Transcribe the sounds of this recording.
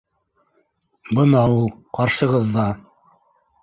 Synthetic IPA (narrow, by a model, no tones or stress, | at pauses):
bɤ̆nɑulˠqɑɾʃɤ̆ʁɤðːɑ